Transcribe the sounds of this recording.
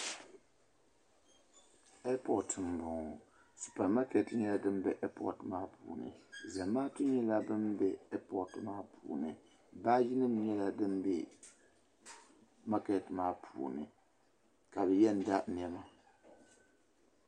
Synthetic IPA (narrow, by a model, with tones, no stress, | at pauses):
ɛ˦pʰɔ˨tɨ˨m˨bʊ˨ŋ˨ | su̥˨pa˨ma˦kɛ˨tɲɛ˦la˦dɨ˦m˦bɛ˨ʔɛ˦pɔ̰˦˨tmaː˦pʰṵː˨nɨ̰˨za˨maː˦tu˦ɲɛ˦la˦bɨ˦mbɛ˦ɛ˦pɔ˨tmaː˦pʰṵː˨nɨ˨ | baː˦ji˦nɨ˦m˦ɲɛ˦la˨dɨ˦m˦bɛ̰˨ | ma˦kɛ˨tmaː˦pʰṵː˨nɨ̰˨ | ka˨bɛ˨jɛ˦n̩˨da˦n˨ɛ˦ma˦